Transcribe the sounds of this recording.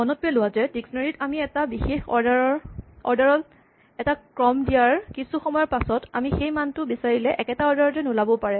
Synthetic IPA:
mɔnɔt̚bɛlʊwazɛdiksnɔɹitamiɛtabixexɔ̰ɹdaɹɔɹɔɹdaɹɔl | ɛtakɹɔmdijaɹkisuxɔmɔjɔɹpasɔtamixejmantʊbisaɹilɛʔɛkɛtaɔɹdaɹɔzɛnʊlabɔpaɹɛ

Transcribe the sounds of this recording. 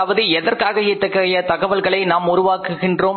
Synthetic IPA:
ʋɐðɯɛðɐrkaːɣɐɪt̪ːɐkːɐjɐt̪ɐɣɐʋɐlɣɐɭɐɪnaːmʊɾʊʋaːkɯɣɪndroː

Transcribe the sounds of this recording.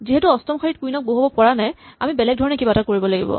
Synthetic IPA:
ziɦɛtuɔstɔmxʰaɹit̚kujnɔk̚boɦobɔpɔɹanaja̰mibɛlɛɡ̚dʱɔɹɔnɛkibatakoɹibɔlaɡḭbɔ̰

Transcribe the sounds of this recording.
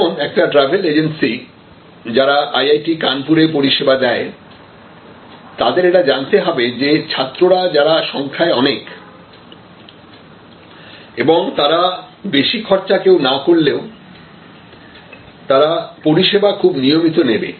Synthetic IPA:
onɛk̚ʈaʈɾabʱeled͡ʑensi | d͡ʑaɾaʔajajʈikanpuɾep̬oɾiʃebad̪ɛe | t̪ad̪eɾeʈad͡ʑant̪eɦɔbed͡ʑet͡ɕʰat̪ːɾoɾad͡ʑaɾaʃɔŋkʰaeɔnek | eboŋt̪aɾa | beʃikʰɔɾt͡ɕakewnakoɽleo | t̪aɾapoɾiʃebakʰubnijomit̪onebḛ

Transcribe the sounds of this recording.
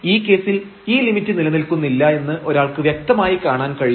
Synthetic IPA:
iːkːe̞ːsil | iːlimitːɨnilɐnilkunːilːɐe̞nːɨʔo̞ɾaːɭkɨʋjek̚t̪ɐmaːjikaːɳaːnkɐɻi

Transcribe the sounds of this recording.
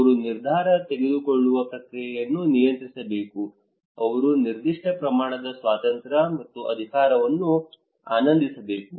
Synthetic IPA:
ɐɐɾuniɾd̪ʱaːɾɐt̪eɡed̪ukoɭːuʋɐkɾɐkɾijɐjɐnːunijɐnt̪ɾisɐbeːku | ɐʋɐɾuniɾd̪iʂʈɐpɾɐmaːɳɐd̪ɐsʋaːt̪ɐnt̪ɾɐmɐt̪ːuʔɐ̰d̪ʱikaːɾɐʋɐnːu | a̰ːnɐnd̪ʱisɐbe̞ːku

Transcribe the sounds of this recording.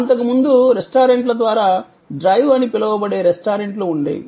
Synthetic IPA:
ɐnt̪ɐkumund̪uɾesʈaːɾeɳʈlɐd̪ʋaːɾaː | ɖɾɐjʋɐnipilɐwɐbɐɽe̞ːɾesʈaːɾeɳʈloːuɳɖḛːjḭ

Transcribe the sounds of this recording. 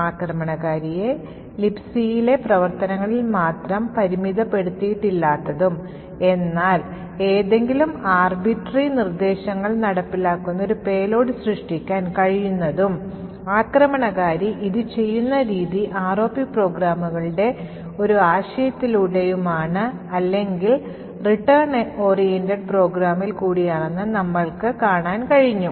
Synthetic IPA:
aːkrɐmɐɳɐɣaːɾije̞ | lipsijile̞prɐʋɐrt̪ɐnɐŋːɐɭilmaːt̪rɐmpɐɾimiðɐpːe̞ɽut̪ːijiʈːilːaːt̪ːɐðum | e̞nːaːl | e̞ːðe̞ŋɡilumaːrbiʈːrinird̪e̞ːɕɐŋːɐɭnɐɽɐpːilaːkːunːɐoɾupe̞ːlo̞ːɽɨsrɨʂʈikʲːaːnkɐɻijunːɐðum | aːkrɐmɐɳɐɣaːɾiʔiðɨt͡ɕe̞jːunːɐɾiːðiʔaːro̞ːpːipro̞ːɡɾaːmuɣɐɭɨɽe̞ | o̞ɾuaːɕɐjɐt̪ːiluɽejumaːɳɨ | ɐlːe̞ŋɡil | riʈːɐrɳo̞ːrijenteɖpro̞ːɡɾaːmːilkuːɽijaːɳenːɨnɐmːɐɭkɨkaːɳaːnkɐɻiɲːu

